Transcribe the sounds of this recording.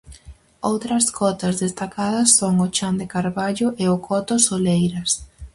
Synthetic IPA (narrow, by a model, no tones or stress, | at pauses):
owt̪ɾɐskʰɔt̪ɐzðest̪akaðɐsːoŋʊt͡ʃand̪ɪkaɾβaʎʊʔeʊkʰɔt̪ʊsolejɾɐs